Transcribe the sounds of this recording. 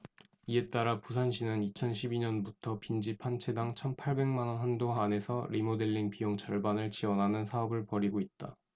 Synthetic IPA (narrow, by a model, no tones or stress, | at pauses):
ie̞t͈aɾapusʰanɕʰinɯnit͡ɕʰʌnɕʰibiɲʌnbutʰʌpind͡ʑipʰant͡ɕʰe̞daŋt͡ɕʰʌnpʰaɭbe̞ŋmanʌnɦandoaːne̞sʰʌɾimode̞ɭːiŋpijoŋt͡ɕʰʌɭbanɯɭt͡ɕiwʌnɦanɯnsʰaʌbɯɭpʌɾiɡoit̚t͈a